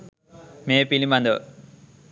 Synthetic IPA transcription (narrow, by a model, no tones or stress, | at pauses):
meːpilimɐnd̪o